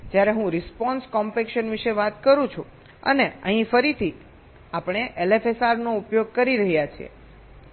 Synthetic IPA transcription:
d͡ʒjaɾeɦũɾɪspɔnskɔmpekʃənʋiʃeʋat̪kəɾũt͡ʃʰũ | ə̰neə̰ɦĩfəɾit̪ʰi | apɳ̃eʔelefesaɾnoupjoɡ̚kəɾiɾəɦjat͡ʃʰiḛ

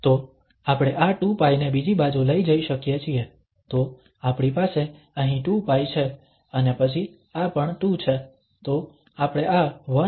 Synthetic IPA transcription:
t̪o | apɽ̃eʔaʈupajnebid͡ʒibad͡ʒuləid͡ʒəiʃəkjet͡ʃʰie | t̪o | apɳipase | əɦĩʈupajt͡ʃʰe | ənepət͡ʃʰi | apəɳʈut͡ʃʰe | t̪o | apɽ̃eaʋə

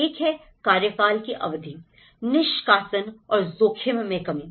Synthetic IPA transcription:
iːkʰɦɛ | kaːɾjəkaːlkiʔɐ̰ʋd̪ʱi | nɪʃkaːsənɔːɾzoːkʰemmẽkɐmiː

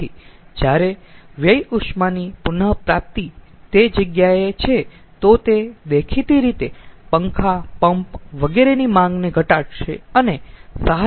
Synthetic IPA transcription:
id͡ʒjaɾeʋjəjuʃmanipʊnəpɾap̚t̪i | t̪ed͡ʒəɡjaet͡ʃʰe | t̪ot̪ed̪ekʰit̪iɾit̪epəŋkʰapəmpʋəɡeɾenimãŋɡneɡʱəʈaɽʃeənesaɦ

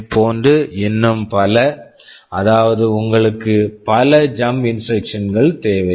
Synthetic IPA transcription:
pʰːoːndrɯɪnːɯmpɐlɐ | ʔɐðaːʋɐðɯʊŋɡɐɭɯkːɯpɐlɐd͡ʒɐmbɪnsʈɾrɐkʂɐnɡɐɭt̪eːʋɐ

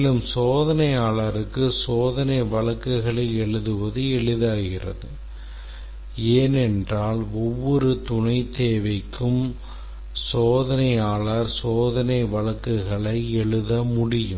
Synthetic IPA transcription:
lɯmsoːðɐnɐɪjaːɭaɾɯkːɯsoːðɐnɐɪʋɐɭɐkːɯɣɐɭɐɪɛɭɯðɯʋɐðɯɛɭɯðaːɣɪrɐ̰ðɯ | eːnɛndraːlɔʋːɔɾɯt̪ʊɳɐɪt̪eːʋɐɪkʰːɯm | soːðɐnɐɪjaːɭaɾsoːðɐnɐɪʋɐɭɐkːɯɣɐɭɐɪɛɭɯðɐmʊɽɪjɯm

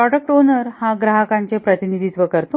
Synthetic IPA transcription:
ɾɔɖək̚ʈonəɾhaɡɾaɦəkaɲt͡sepɾət̪inid̪ʱit̪ʋəkəɾt̪o

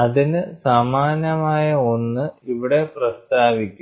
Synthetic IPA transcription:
ɐðinɨsaːmaːnɐmaːjɐo̞nːɨiʋiɽe̞prɐst̪aːʋikʲːu

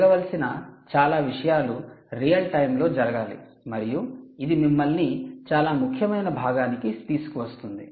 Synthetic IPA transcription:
ɡɐʋɐlɐsinɐt͡ʃaːlaːʋiʂɐjaːluɾijɐlʈɐjmlo̞ːd͡ʒɐɾɐɡaːlḭ | mɐɾijuid̪imimːɐlnit͡ʃaːlaːmukʰjɐmɐjnɐbʱaːɡaːnikit̪iːsu̥kuʋɐst̪und̪ḭ

